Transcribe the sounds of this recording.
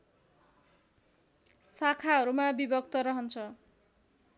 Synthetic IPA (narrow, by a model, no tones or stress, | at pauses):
sakʰaɦʌɾumabibʌk̚t̪ʌɾʌɦʌnt͡sʰʌ